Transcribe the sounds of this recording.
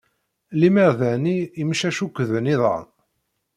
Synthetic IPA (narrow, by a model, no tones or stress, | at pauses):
liməʁðæniːmʃæʃukʷːəðəniðˤɑ̰n